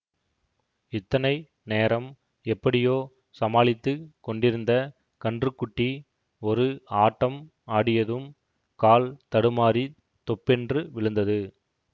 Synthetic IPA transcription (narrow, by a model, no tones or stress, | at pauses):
ɪt̪ːɐnɐɪ | neːɾɐm | ɛpːɐɽɪjoː | sɐmaːɭɪt̪ːɯkɔɳɖɪɾɯnd̪ɐ | kɐɳdrɯkːʊʈːi | ɔɾɯaːʈːɐm | aːɽɪjɐðɯm | kaːlt̪ɐɽɯmaːɾi | t̪ɔpːɛndrɯʋɪɭɯnd̪ɐðɯ